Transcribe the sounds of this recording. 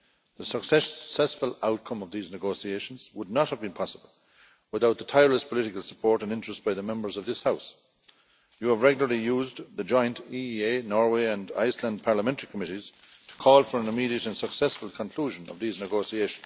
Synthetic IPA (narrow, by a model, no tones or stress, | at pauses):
ðəsəksɛsɛsfəlaʊt̚kʰʌ̃mʌvðiːznɨɡoʊsieɪʃə̃nzwədⁿnət̚həvbĩnpʰɑsəbəlˠ | wɪθaʊt̪̚ðətʰaɪəɹləspʰəlɪɾɪkəlˠsə̥pʰɔɹɾə̃nɪ̃nt͡ʃɹ̥əstb̥aɪðəmɛ̃mbə˞zʌvðɪshaʊs | jəːvɹɛɡjl̩ə˞lijuːzðəd͡ʒɔ̃ɪə̃ntʰieɪnɔɹweɪə̃nda̰ɪslə̃ndpʰaɹləmɛ̃ntəɹikʰəmɪɾiz̥tʰə̥kʰɔːlˠfə˞ə̃nɨmiɾiəɾə̃nsəksɛsfəlˠkʰə̃nkʰl̥uːʒə̃nʌ̰vðiznəɡoʊsieɪʃə̃n̩z̥